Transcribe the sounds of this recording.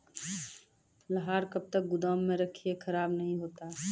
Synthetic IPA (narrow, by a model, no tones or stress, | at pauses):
ləɦaːɾkəb̚t̪ək̚ɡʊd̪aːmːẽɾɐkʰiekʰɐɾaːbnɐɦĩɦoːt̪aː